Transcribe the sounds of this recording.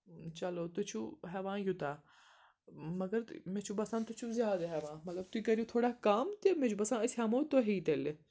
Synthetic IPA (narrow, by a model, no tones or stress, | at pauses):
t͡ʃɐloːt̪ʊt͡ʃʰuːɦɛʋãːjut̪aː | mɐɡəɾmẽt͡ʃʰubɐsãːt̪ʊt͡ʃʰũːzjaːd̪aɦɛːʋãːmɐt̪lɐb̚t̪uiːkɐɾjũːt̪ʰoːɽaːkaːmt̪emẽd͡ʒʰuːbɐsãːɪsɦamoːt̪oɦiːt̪ele